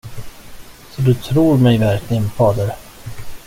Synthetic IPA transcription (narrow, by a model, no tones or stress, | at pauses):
sɔd̪ɵt̪ʰɾuːɾmɛjvæɾklɪɡənfɑːd̪əɾ